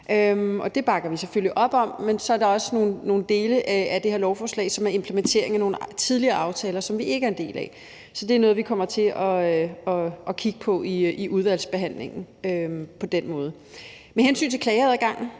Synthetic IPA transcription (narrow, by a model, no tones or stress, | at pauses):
ʔømɒ̽d̥e̝b̥ɑ̈ɡ̥ɐʋiseføliʔɒ̽b̥ɒ̽m̰mensɒ̽æɐɾ̥ɑ̈ɒ̽sno̝ːn̩ːo̝ːn̩d̥e̝ːləʔæd̥e̝he̝ɐ̰lɒʊfɒːslɛ̰ːɪsɒ̽mæɐe̝mpʰləment͡sʰe̝̰ɐ̰e̝ŋæno̝ːn̩t͡sʰiðˠliɐːɑ̈ʊt͡sʰɛːlɐsɒ̽mʋie̝ɡ̥æɐend̥e̝̰ːlæ̰ | sɒ̽d̥e̝æɐnɔ̽ːð̞̩ˠʋikʰɒ̽m̰ɐt͡sʰe̝ʔɒ̽ɒ̽ɒ̽kʰiɡ̥əpʰɒ̽ʔiʔiʔuð̞ˠʋæl̰sb̥e̝ɦæn̰le̝ŋn̩ømpʰɒ̽d̥enmɔ̽ːð̞̩ˠə | mehensy̰ːnt͡sʰe̝kʰlɛːɪɐð̩ˠæɡ̥ɑ̈ŋ̰n̩